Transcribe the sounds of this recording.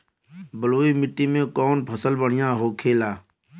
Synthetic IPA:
bəloːiːmɪʈːiːmẽːkoːnpʰəsəlbəɳ̤ɪjãːɦoːkʰeːlaː

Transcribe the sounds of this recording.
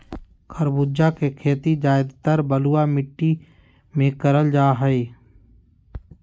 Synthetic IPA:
kʰəɾbʊd͡ʒakekʰeːt̪id͡ʒaːɪd̪t̪əɾbəluwamɪʈːi | mẽkəɾəld͡ʒaːɦəe

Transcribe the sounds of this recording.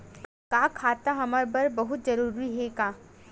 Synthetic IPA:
kaːkʰaːt̪aɦɐmaɾbɐɾbɐɦʊt̪̚zɐɾuːɾiɦɛkaː

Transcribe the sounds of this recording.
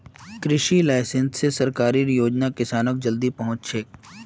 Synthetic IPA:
kɾɪʃilaːɪsə̃nsːesɐɾkaːɾiɾjoːd͡ʒnakɪsaːnək̚d͡ʒɐld̪ipɐɦʊ̃t͡ʃʃʰeː

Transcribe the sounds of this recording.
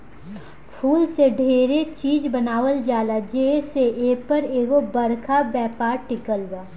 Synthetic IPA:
pʰuːlseɖʱeːɾet͡ʃiːd͡ʒbənaːwəld͡ʒaːlad͡ʒeːseʔeːpəɾeːɡobɐɾkʰabɛːpaːɾʈɪkəlbaː

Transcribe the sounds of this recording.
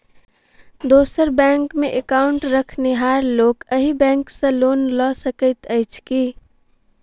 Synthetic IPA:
d̪oːsəɾbɛ̃ːŋkmẽʔekaʊɳʈɾəkʰnɪɦaːɾloːkəɦibɛ̃ːŋksə̃loːnlɔsəkət̪əɪt͡ʃʰki

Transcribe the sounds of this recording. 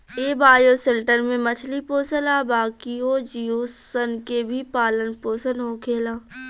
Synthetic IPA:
eːbaːjoːselʈəɾmẽmɐt͡ʃʰlipoːsəlaːbaːkioːd͡ʒiːoːsənkebʱipaːlənpoːsənɦoːkʰeːlaː

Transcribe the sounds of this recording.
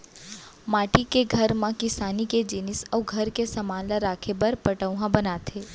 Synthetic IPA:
maːʈikeɡʱɐɾmãkɪsaːniked͡ʒɪnɪsəːɡʱɐɾkesɐmaːlaɾaːkʰebəɾpəʈəʋɦãbɐnaːt̪ʰeː

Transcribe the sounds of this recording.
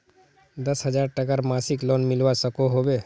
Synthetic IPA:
d̪əsɦəd͡ʒaːɾʈəkaɾmasiklonmɪlʋasəkoɦobe

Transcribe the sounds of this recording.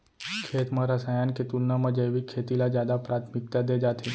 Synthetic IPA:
kʰeːt̪mãɾɐsaːjaːnket̪uɾnamãd͡ʒəjʋikʰːeːt̪ilad͡ʒjaːd̪apɾaːt̪ʰmɪk̚t̪ad̪eːd͡ʒaːt̪ʰe

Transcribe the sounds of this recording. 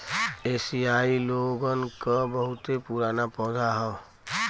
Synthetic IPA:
eːsiailoɡənkəbəɦʊt̪epuɾaːnapɔ̃ːd̪ʱaɦɔ

